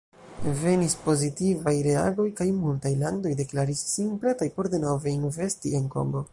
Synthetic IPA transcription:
ve̞nispo̞zitivajɾe̞a̰ɡo̞jkajmultajlando̞jde̞klaɾisːinpɾetajpo̞ɾde̞no̞ve̞inve̞stie̞nko̞̰ŋɡo̞

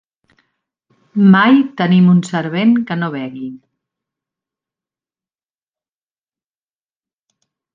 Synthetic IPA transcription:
majt̪ənimunsəɾβenkənoβ̞ɛɣi

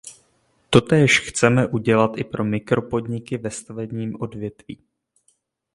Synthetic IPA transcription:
t̪o̞t̪ɛːʃxt͡sɛmɛʔuɟɛlat̪ʔɪpɾʔo̞mɪkɾo̞po̞dɲɪkɪvɛst̪avɛbɲiːmʔo̞dvjɛt̪viː

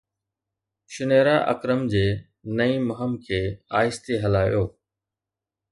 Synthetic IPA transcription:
ʃʊneːɾaːʔə̰kɾəmd͡ʑeː | nəĩːməɦəmkʰeːaːɪst̪eɦɐlaːjoː

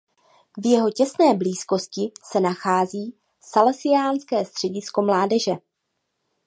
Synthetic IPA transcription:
vjɛɦo̞cɛsnɛːbliːsko̞scɪsɛnaxaːziː | salɛsɪaːnskɛːst̪r̥ɛɟɪsko̞mlaːdɛʒɛ

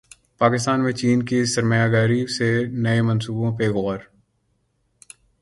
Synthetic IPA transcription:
paːkɪst̪aːnmẽt͡ʃiːnkisɐɾməjaɡaːɾisenɐemɐ̃nsuːbõpeɣɔːɾ

